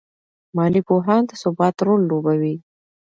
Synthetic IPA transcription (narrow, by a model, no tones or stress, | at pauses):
mɑlipoɦɑnd̪əsʊbɑt̪ɾolːobawi